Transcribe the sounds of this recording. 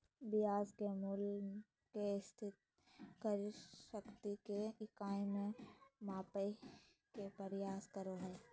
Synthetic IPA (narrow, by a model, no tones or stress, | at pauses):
bɪjaːzkemuːl | kest̪ʰɪt̪ | kəɾʃəkt̪ikeɪkaːimẽmaːpe | kepəɾjaːskəɾoɦɛː